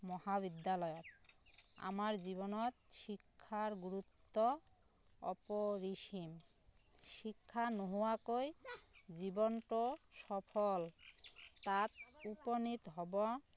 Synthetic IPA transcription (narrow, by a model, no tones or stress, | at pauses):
mɔhaβid̪ːalɔjot̪̚ | a̰maɾd͡ʑiβonɔt̪ʃikʰːaɾɡuɾut̪ːo | ɔ̰poɾiʃim | ʃikʰːanoɦuakojd͡ʑibonʈoʃɔpʰol | t̪at̪̚uponit̪ɦɔbɔ